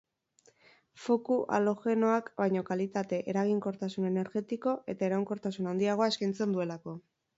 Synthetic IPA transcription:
fo̞kuʔa̰lo̞xe̞no̞akbajɲo̞kalit̪at̪e̞ʔeɾaɣ̞iŋko̞ɾt̪asune̞ne̞ɾɣe̞t̪iko̞e̞t̪ae̞ɾauŋko̞ɾt̪asunand̪iaɣ̞o̞ae̞skajnt͡se̞nd̪ue̞lako̞

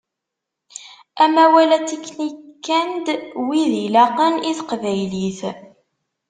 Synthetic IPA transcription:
æmæwælæt͡sikːnikːænd̪wiðilæqəniθqvæjliθ

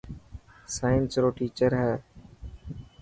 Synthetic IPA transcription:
saːɪnsɾoːʈiːt͡ʃəɾɦɛː

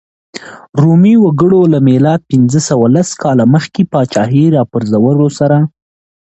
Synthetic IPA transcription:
ɾumiwaɡəɽolamelɑd̪̚pɪnzəsawalaskɑlaməxkepɑt͡ʃɑɦiɾɑpəɾzawəlosaɾa

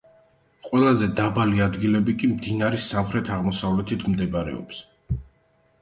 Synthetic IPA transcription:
qʼwɛlˠazɛd̪abaliad̪ɡilɛbikʼimd̪inaɾisamχɾɛt̪ʰaʁmɔsavlɛt̪ʰit̪ʰmd̪ɛbaɾɛ̰ɔ̰ps

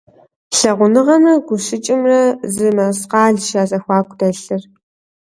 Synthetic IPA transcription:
ɬɐʁʷʊnɨʁɐmrɐɡʷʊʃɪt͡ʃʼɪmrɐzɨmɐsqɑːɮʃaːzɐxʷɑːkʷʰʼdɐɬɨr

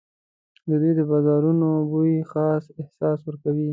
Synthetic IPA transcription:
d̪əd̪ujd̪əbɑzɑɾunobuixɑsɪhsɑswəɾkawi

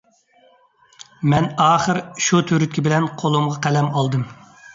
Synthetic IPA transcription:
mɛnɑːχəɾʃut̪ʰyɾyt̪̚kʲʰibɪlɛnqʰolˠumʁɑqʰælɛmɑlˠd̪ɨm

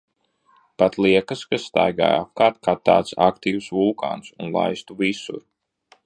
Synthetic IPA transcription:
pat̪lˠiɛkəskasːt̪a̰jɡa̰ːja̰p̚kaːɾt̪̚kaːtt̪ːa̰ːt̪sakt̪iːwsvulˠka̰ːnsunlˠa̰jst̪uvisṵɾ

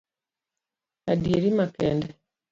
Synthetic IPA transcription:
adieɾimakɛndɛ

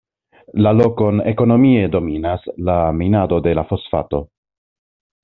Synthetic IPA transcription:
lalo̞ko̞neko̞no̞mie̞do̞minaslaminado̞de̞lafo̞sfa̰to̞

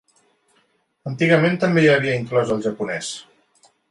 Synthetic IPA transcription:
ənt̪iɣəment̪əmbejəβ̞iəiŋklɔzəlˠʒəpunɛs

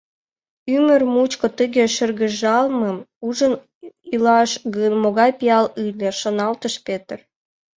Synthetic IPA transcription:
ymərmut͡ɕkot̪əɣeʃə̆rɣə̆ʒɑlməmuʒən | ilɑʃɡənmoɣɑjpiɑlɯlʲĕʃonɑlt̪əʃpet̪ər

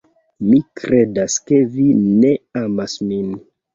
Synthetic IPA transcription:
mikɾedaske̞vine̞amasmin

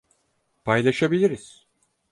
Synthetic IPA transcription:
pʰajlˠaʃabilʲiɾiz̥

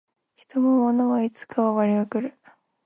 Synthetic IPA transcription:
çi̥t̪o̞momo̞noβait͡sɨ̥kʰaβaβaɾʲiɡakɯ̟ɾɯ̟

